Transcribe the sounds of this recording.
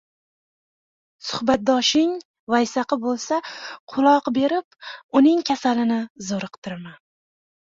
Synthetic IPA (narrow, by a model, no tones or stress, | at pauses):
sʊhbat̪̚d̪ɒʃɪŋ | vajsaqɨbolˠsaqʰʊlˠɒqbe̞ɾɪpʊnɪŋkʲʰasalɪnɪzoɾɨqt̪ʰɪɾman